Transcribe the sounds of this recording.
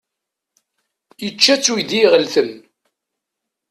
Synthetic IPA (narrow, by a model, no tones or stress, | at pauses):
jət͡ʃːæt͡sːujd̪iʁəlθən